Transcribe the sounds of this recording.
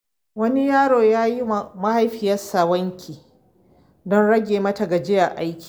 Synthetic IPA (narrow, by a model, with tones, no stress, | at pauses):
wɐ˦ni˦jaː˦ɽoː˨jaː˦ji˦ma˦ha˦jɸɪ˨jɐ˦saː˨wɐ˦ŋkʲʰiː˨ | dɔ˦nɽɐ˦ɡʲeː˨mɐ˦ta˨ɡa˨d͡ʒɪ˦ja˨ʔa˦jkʲi̥ː˨